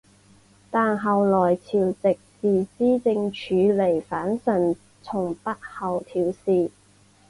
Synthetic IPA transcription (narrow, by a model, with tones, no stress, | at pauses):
t̪aː˨nɦɐ˨˩wlɔː˨˩jt͡sʰiː˨˩wt͡sɪ˨k̚t͡siː˨t͡siː˥t͡sɪ˧ŋt͡ʃʰyː˨˧le˨˩jfaː˨˥nsɐ˨˩n | t͡sʰʊ˨˩ŋpɐ˥t̚hɐ˨˩wt̪ʰiː˨˧wsiː˨